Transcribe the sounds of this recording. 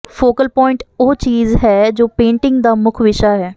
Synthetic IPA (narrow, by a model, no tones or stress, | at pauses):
foːkəlpɔːɪ̃ɳʈoɦt͡ʃiːzɦɛːd͡ʒoːpẽːɳʈɪ̃ŋɡd̪aːmʊkʰʋɪʃaɦɛː